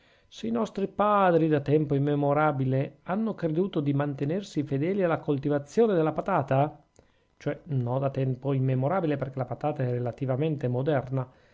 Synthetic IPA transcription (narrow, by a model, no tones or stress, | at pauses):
seinɔst̪ɾipaːd̪ɾid̪at̪ɛmpoimːemoɾaːbileanːokɾed̪uːt̪od̪imant̪enersifed̪ɛːlialːakolt̪ivat̪sːjoːned̪elːapat̪aːt̪a | t͡ʃoɛnɔd̪at̪ɛmpoimːemoɾaːbileperk̟elapat̪aːt̪aɛrːelat̪ivament̪emod̪ɛrna